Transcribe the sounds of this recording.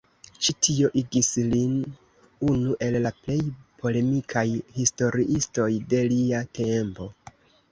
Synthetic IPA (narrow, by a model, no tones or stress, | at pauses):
t͡ʃitʰio̞ʔiɡislin | unuʔe̞lːaple̞jpʰo̞le̞mikʰajhisto̞ɾiʔisto̞jde̞liatʰe̞mpo̞